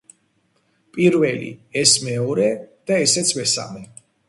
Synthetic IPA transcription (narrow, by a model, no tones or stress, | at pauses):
pʼiɾvɛlḭɛsmɛɔɾɛd̪̥aɛsɛt̪sʰmɛsa̰mɛ